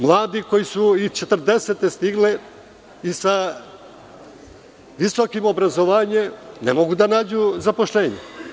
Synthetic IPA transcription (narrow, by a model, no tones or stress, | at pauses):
mlˠaːd̪iko̞jisuit͡ʃet̪r̩d̪eset̪e̞st̪iɡle | isa | ʋisokimo̞bɾazo̞ʋaːɲe̞mnḛmo̞ɡud̪anaːd͡ʑuzapo̞ʃlʎeːɲḛ